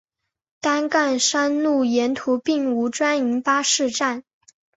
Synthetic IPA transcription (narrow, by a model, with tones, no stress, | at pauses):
t̪a˥nka˥˩nʂa˥nlu˥˩jɛ˧˥nt̪ʰu˧˥pi˥˩ŋu˧˥ʈ͡ʂwa˥ni˧˥ŋpa˥ʂɻ̩˥˧ʈ͡ʂa˥˩n